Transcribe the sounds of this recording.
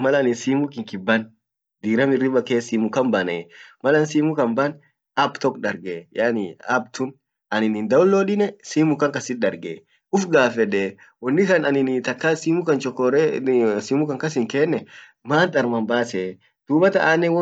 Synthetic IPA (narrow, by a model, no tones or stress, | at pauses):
mɐlɐnɪsiːmʊkɪŋkɪbːɐn | d̪iːɾɐmɪrɪbɐkeːsiːmʊkɐmbɐnɛːmɐlɐnsiːmʊkɐmbɐn | ɐbt̪ɔkᶑɐɾɡɛjanɪɐb̚t̪ʊn | ɐnɪnɪnd̪ɐʊlːɔːᶑɪnɛsiːmʊkɐŋkɐsɪt̪ɗɐɾɡḛ | ʊfɡaːfɛᶑeː | wɔnːɪkɐnɐnɪnt̪ɐkːasiːmʊkɐnt͡ʃɔkːɔɾɛsiːmʊkɐŋkɐs̬ɪŋkɛːnːɛ | maːnt̪ʼɐɾmɐmbaːse | d̪̥uːbɐt̪ɐʔaːnːɛwɔ